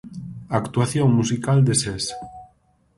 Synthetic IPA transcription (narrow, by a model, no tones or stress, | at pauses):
akt̪uaθjoŋmusikald̪eses